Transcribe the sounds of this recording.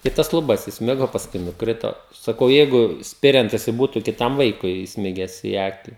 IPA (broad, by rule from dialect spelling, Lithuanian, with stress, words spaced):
ɪ ˈtɐs lˠʊˈbɐs ɪsʲˈmʲɪɡoː pɐsˈkʊɪ nʊˈkrʲɪtoː sɐˈkɐʊ ˈjɛɪɡʊ ˈsʲpʲɪrʲɛnt jɪˈsɐɪ ˈbuːtʊ kʲɪˈtɐm ˈʋɐɪkʊɪ ɪsʲˈmʲɪɡʲæːs iː ˈɑːkʲɪ